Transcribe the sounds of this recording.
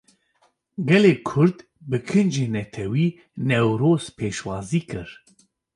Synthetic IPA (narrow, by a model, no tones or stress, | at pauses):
ɡɛleːkʰʊɾd̪ | bɨkʰɨnd͡ʒeːnɛt̪ʰɛwiː | nɛwɾoːz̥pʰeːʃwɑːziːkɨɾ